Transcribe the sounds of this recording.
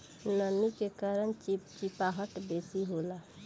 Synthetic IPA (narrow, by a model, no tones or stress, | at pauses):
nənikekaɾənt͡ʃit͡ʃipaɦəʈbesiɦola